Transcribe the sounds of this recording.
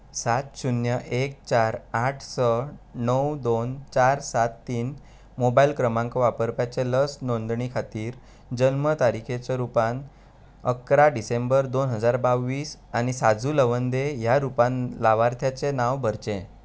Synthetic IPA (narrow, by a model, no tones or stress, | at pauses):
sat̪ɕunjəʔek̚t͡ɕaɾaʈʰsənəwd̪ont͡ɕaɾsat̪ːiːn | mobailkɾəmãŋkɔʋapəɾpjat͡seləsnond̪ɳikʰat̪iːɾ | d͡ʑənmət̪aɾikʰet͡sɔɾupan | əkɾaɖisembəɾd̪onɦəd͡zaɾbaʋːiːsañisad͡zuːləʋənd̪ejaɾupãnlaʋaɾt̪ʰjat͡senaʋbʱəɾt͡ɕẽ